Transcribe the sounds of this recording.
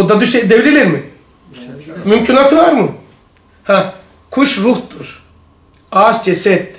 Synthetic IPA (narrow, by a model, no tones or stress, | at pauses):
od̪ad̪yʃed̪evililʲiɾmi | mymcʰynat̪ʰvaɾmɯ | hɛ̃ | kʰuʃɾuht̪uɾ̥ | azd͡ʒɛsɛt̪ː